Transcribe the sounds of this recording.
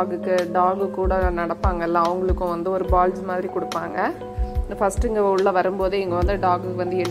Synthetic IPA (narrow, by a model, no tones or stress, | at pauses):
ɡɯkːɯɖaːɡɯkːuːɽɐnɐɽɐpːaːŋɡɐɛlːãːɐʋɐŋɡɐɭɯkːʊ̃ʋɐnd̪ɯɔɾɯbaːld͡ʒmaːðɪɾikɔɽɯpːaːŋɡɐ | nɐfɐsʈɯɪŋɡɐʊɭːɐʋɐɾɯmpoːðɯɛŋɡɐʋɐnd̪ɯɖaːɡɯkːɯʋɐnd̪ɯɛnː